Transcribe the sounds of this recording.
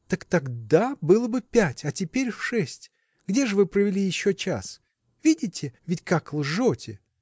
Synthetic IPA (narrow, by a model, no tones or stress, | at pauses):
t̪əkt̪ɐɡd̪abɨlˠəbɨpʲætʲɐtʲɪpʲeɾʲfʂɛsʲtʲ | ɡdʲeʐɨvɨpɾəvʲɪlʲijɪɕːot͡ɕa̰s | vʲidʲɪtʲɪvʲɪtʲkaklˠʐotʲɪ